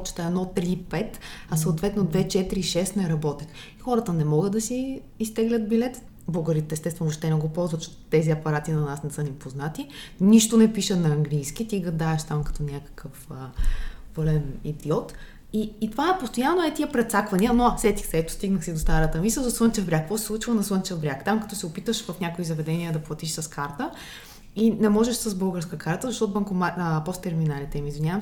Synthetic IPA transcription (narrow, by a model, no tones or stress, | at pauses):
t͡ʃt̪ɐɛd̪nɔt̪ɾipɛt̪ɐsɐoːt̪vɛt̪nod̪vɛt͡ʃɛt̪iɾiʃɛst̪nɛɾɐbɔt̪ix | ixɔɾət̪ənɛmɔɡəd̪ɐsiː | st̪ɛɡlʲət̪̚bilɛt̪ | boɡəɾit̪ɛst̪ɛst̪vɛnʊopʃt̪ɛnɛɡopɔlˠzvət̪t͡ʃɛt̪ɛziɐpɐɾat̪inɐnasnɛsɤnimpoznat̪iniʃt̪onɛpiʃənɐːŋɡlijskit̪iɡɐd̪aɛʃt̪amkɐ̥t̪ɔnʲakə̥kʰəfəvɤlɛnḭd̪iɔt̪ | iːt̪ovaɛpost̪ojanːoɛt̪iəpɾɛt̪sakvɐnʲiənosɛt̪ixsɛɛt̪o̥st̪iɡnəxsid̪ost̪aɾət̪əmisəzɐswənt͡ʃɛvbɾʲakːvɔsɛ̥sˠut͡ʃivonɐswənt͡ʃɛvbɾʲakt̪amkɐt̪ɔsɛopit̪əʃvɐfnʲakoizɐvɛd̪ɛniəd̪ɐplˠɐt̪iʃsəskaɾt̪ə | inɛmɔʒɛʃsəsbɤlˠɡəɾskəkʰaɾt̪əzɐʃt̪ɔt̪ʊbɐŋkomapɔst̪ːɛɾminalit̪ɛimizvinʲavəm